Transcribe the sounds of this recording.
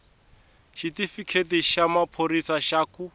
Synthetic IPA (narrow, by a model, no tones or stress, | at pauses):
ʃitifikʰetiʃamapʰoɾisaʃaːku